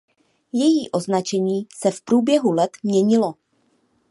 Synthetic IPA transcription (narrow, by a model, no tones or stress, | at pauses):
jɛjiːʔo̞znat͡ʃɛɲiːsɛfpɾuːbjɛɦulɛt̪mɲɛɲɪlo̞